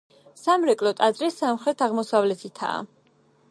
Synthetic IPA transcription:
samɾɛkʼlɔt̪ʼad̪zɾisamχɾɛt̪ʰaʁmɔsavlɛt̪ʰit̪ʰa̰ː

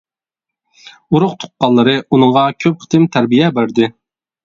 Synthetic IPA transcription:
uɾʊqt̪ʰʊ̥qqːɑlˠːɨɾɨunɨŋʁɑkʲʰøp̚qʰə̥t̪ʰɪmt̪ʰæɾbijɛbæɾd̪ɪ

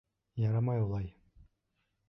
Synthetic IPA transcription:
jɑɾɑmɑjulˠɑj

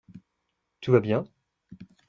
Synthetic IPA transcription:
t̪uvabjɛ̃

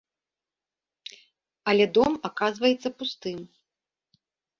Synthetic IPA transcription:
ɐlʲɛd̪ɔmakazvɐjɛt̪sːɐpust̪ɨm

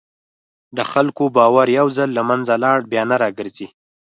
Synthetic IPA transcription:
d̪əxalkobɑwaɾjawzalːamanzalɑɽbjɑnaɾɑɡəɾzi

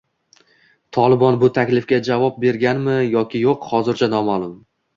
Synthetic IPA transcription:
t̪ʰɒlˠɪbɒnbʊt̪ʰakʲlɪfkʲad͡ʒavɒp̚be̞ɾɡʲanmɪjɒkʲɪjoqhɒzɪɾt͡ʃʰanɒmalˠʊm

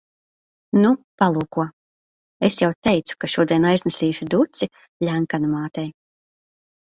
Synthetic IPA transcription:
nupalˠuːkuɔ | esjawt̪ɛjt̪su̥kaʃuɔd̪ʲiɛnajznɛsiːʃud̪ut̪si | lʲæŋkanumaːt̪ɛj

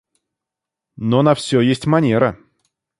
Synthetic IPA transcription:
nonɐfsʲɵjesʲtʲmɐnʲe̞ɾə

